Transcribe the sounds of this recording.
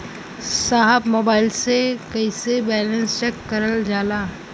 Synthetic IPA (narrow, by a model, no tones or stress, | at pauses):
saːɦəbmoːbaːɪlsekɐɪsebɛːlə̃nst͡ʃɛkːɐɾəld͡ʒaːlaː